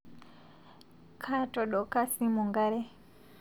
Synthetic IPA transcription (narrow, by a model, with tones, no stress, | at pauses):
kʰa˦to˨ɗo˨ka˦si˦mu˨ŋɡa˦ɾe˦